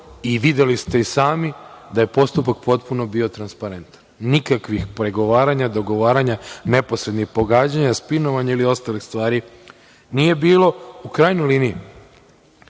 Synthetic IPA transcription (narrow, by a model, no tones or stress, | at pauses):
iʋid̪je̞list̪e̞isaːmid̪aje̞po̞st̪upak̚po̞t̪puno̞bio̞t̪ɾanspaɾe̞nt̪ḁnːikakʋixpɾe̞ɡo̞ʋaːɾaɲad̪o̞ɡo̞ʋaːɾaɲane̞po̞sɾe̞d̪nixpo̞ɡaːd͡ʑaɲaspino̞ʋaɲailio̞st̪alixst̪ʋaːɾi | nije̞biːlo̞ukɾaːjnojliːnii